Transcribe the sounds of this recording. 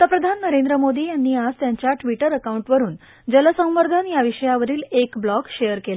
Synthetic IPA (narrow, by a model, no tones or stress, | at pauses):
t̪apɾəd̪ʱanːəɾend̪ɾəmod̪iːjanːiːad͡zt̪jaɲt͡ɕjaʈʋiʈəɾəkauɳʈʋəɾuːn | d͡ʑələsə̃w̃ʋəɾd̪ʱanjaʋiɕəjaʋəɾiːlekblɔkɕejəɾkela